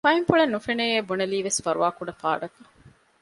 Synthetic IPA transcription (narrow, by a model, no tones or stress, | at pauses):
fɐimfuɭenːufeneeːbuneliːʋesfɐɾuʋaːkuɖɐfa̰ːɖɐkɐ̥